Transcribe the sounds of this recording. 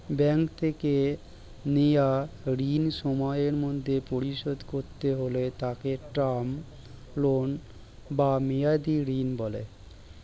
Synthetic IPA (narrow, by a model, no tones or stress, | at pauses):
bɛŋkt̪ʰeke | nejaɾinʃɔmɔeɾmod̪ʱːepoɾiʃod̪koɾt̪eɦolet̪akeʈɾam | lon | bamejad̪iɾinbɔlḛ